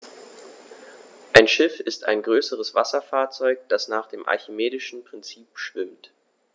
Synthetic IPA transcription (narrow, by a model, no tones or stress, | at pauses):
ʔaɪnʃɪfɪstʰa̰ɪnɡʁøːsəʁəsv̥asɐfaːɐt͡sɔʏk̚d̥asnaːχd̥eːmʔa̰ɐçimeːdɪʃn̩pʁ̥ɪnt͡siːpʃv̥ɪmt